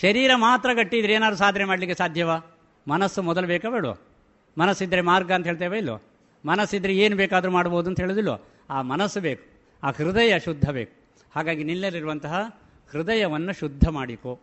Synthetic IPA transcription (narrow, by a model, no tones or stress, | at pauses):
ʃɐɾiːɾɐmaːt̪ɾɐɡɐʈːiid̪ɾeːnaːd̪ɾusaːd̪ʱnemaːɽlikːesaːd̪ʱjɐʋaː | mɐnɐsːumɔd̪ɐlɐbeːkɐbeːɽuʋɐ̰ | mɐnɐsːid̪ːɐɾemaːɾɡɐnt̪ɐɦeːɭt̪eːʋeilːʋo̰ | mɐnɐsːid̪ːɐɾeeːnubɛːkaːd̪ɐɾumaːɽboːud̪uɐnt̪ɐɦeːɭud̪ilːʋo̰ | aːmɐnɐsːubeːku̥ | aːhɾid̪ɐjɐʃud̪ʱːɐbeːku̥ | haːɡaːɡinilːeliɾuʋɐnt̪ɐɦɐ | hɾid̪ɐjɐʋɐnːuʃud̪ʱːɐmaːɽiko